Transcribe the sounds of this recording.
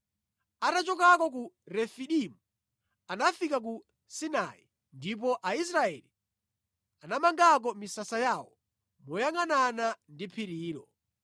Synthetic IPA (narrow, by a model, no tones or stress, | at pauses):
atat͡ʃɔkakɔk̬uɾɛfiɗimu | anafikak̬u | sina̰i | ndip̬ɔʔais̬ɾaɛli | anamaŋɡak̬ɔmisasajaːwɔ | mɔjaŋananandipʰiɾiːɾɔ